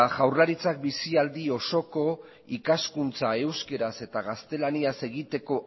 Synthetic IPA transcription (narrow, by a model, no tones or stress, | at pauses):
ʝawrlaɾit͡sak̚bisiald̪io̞so̞ko̞ | ikaskunt͡sae̞wske̞ɾase̞t̪aɣast̪e̞laniase̞ɣit̪e̞ko̞